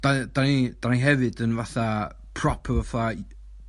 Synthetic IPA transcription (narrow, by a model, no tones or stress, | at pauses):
d̥ad̥anid̥aniɦɛvɨdənvaθa | pʰrɔpʰəvəfa